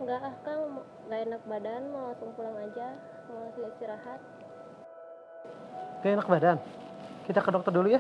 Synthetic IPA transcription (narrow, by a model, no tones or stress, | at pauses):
ŋɡaʔahkaŋ | ŋɡaenak̚badanmawasɔŋpulaŋad͡ʒa | masiist̪iɾaɦat̪̚ | ɡaenak̚badan | kit̪akədɔk̚t̪ərduluja